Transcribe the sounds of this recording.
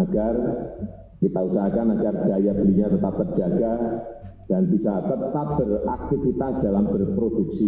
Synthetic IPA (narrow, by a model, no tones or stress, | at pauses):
aɡ̥ar | kit̪ausaɦakanaɡard̥ajabəliɲat̪ət̪ap̚t̪ərd͡ʒaɡa | d̥anbisat̪əpt̪ap̚bərak̚t̪ifit̪asd̥alambərpɾoduksi